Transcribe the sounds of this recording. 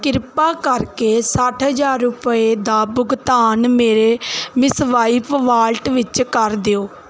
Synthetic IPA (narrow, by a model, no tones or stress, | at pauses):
kɪɾpaːkəɾkeːsəʈʰɦəd͡ʒaːɾːʊpəeːd̪aːbʊɡt̪aːnmeːɾeːmɪsʋaːiːpʋaːlʈʋɪt͡ʃkəɾd̪eoː